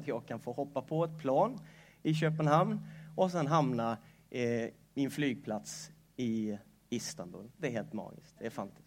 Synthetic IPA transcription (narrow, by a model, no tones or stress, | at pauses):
t̪ʰjɑːɡ̚kʰanfoːhɔpːapʰɔɛt̪̚pʰlɑːn | ɪɕøːpənɦamnɔs̬ɛnɦamna | mɪnflyːɡ̚pʰlat̪s | ɪ | ɪst̪anbɵ̰ld̪ɛæɾɦeːlt̪mɑ̰ːɡɪ̰skt̪̚d̪ɛæɾfant̪ɪ